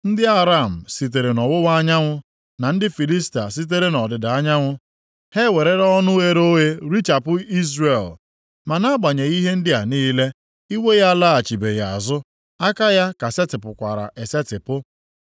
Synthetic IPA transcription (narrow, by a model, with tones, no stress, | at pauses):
n̩˦dɪ˦a˦ɾa˦˨m̩˨si˨t̬e˨ɾe˨nɔ˨wʊ˦wa˦ɲa˦ŋʷʊ˦ | na˨n̩˦dɪ˦fi˨li˦sta˨s̬i˦t̬e˦ɾe˦nɔ˨dɪ˨da˨a˦ɲa˦ŋʷʊ˦ | he˦we˨ɾe˦ɾɔ˦nʊ˦e˦ɾo˦ɦe˦ɾi˦t͡ʃa˨pʊ˦i˦zɾe˨l | ma˨na˦ɡ͡ba˨ɲe˨i˦ɦe˦n̩˦dɪ˦a˨niː˦le˦ | i˦we˦ja˦la˦a˨t͡ʃi˨be˨ja˨a̰˨zʊ˦ | a˦ka˦ja˦ka˨se˦tɪ˨pʊ˨kʷa̰˨ɾa̰˨ʔe˨se˦tɪ˨pʊ˦